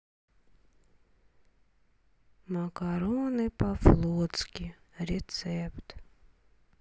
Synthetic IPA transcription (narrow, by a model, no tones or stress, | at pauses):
makaɾonɨpaflˠot̪skʲi | ɾʲet̪sɛpt̪